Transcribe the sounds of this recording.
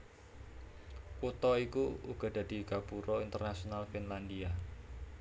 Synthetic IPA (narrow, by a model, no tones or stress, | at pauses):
kut̪ɔikuuɡ̥ɔ̤d̥a̤d̪̥i̤ɡ̥a̤puɾɔint̪ərnasionalfinland̪ia